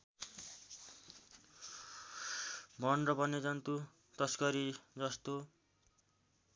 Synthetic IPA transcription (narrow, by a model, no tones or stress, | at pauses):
bʱʌnrʌbʌned͡zʌnt̪u | t̪ʌskʌɾid͡zʌst̪o